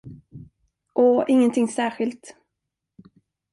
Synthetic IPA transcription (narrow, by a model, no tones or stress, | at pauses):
ʔɔɪŋːənt̪ʰɪŋsæːɾɧɪlt̪